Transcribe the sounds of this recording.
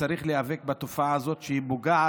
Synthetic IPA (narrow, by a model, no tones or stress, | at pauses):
aɾiχleavek̚bat̪ofaaːzo̞t̪ʃehibuɡaʕa